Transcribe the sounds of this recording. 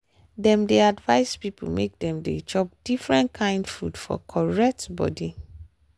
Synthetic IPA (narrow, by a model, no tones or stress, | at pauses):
dɛ̃mdeadvaɪspipʰṵmek̚dɛ̃mdḛd͡ʒɔp̚d̥ifɹɛ̃ntkʰãɪ̃ndfṵdfɔ̰kʰɔɹɛk̚tbɔ̰di